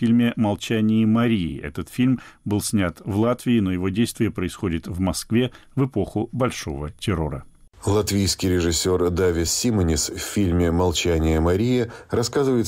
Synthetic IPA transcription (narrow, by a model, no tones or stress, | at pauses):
fʲilʲmʲɪmɐlˠt͡ɕænʲɪɪmɐɾʲiɪ̰ʔɛ̰t̪ət̪fʲilʲmbɨlˠsʲnʲat̪vlˠat̪vʲɪɪno̞jɪvo̞dʲejst̪vʲɪjəpɾəɪsxo̞dʲɪt̪vmɐskvʲe̞ | vɨpo̞xʊbɐlʲʂo̞̰vətʲɪɾo̞̰ɾə̰ | lˠɐt̪vʲijskʲɪjɾʲɪʐɨsʲːord̪avʲɪssʲimənʲɪsfʲfʲilʲmʲɪmɐlˠt͡ɕænʲɪjəmɐɾʲijɪɾɐskazɨvəjɪt̪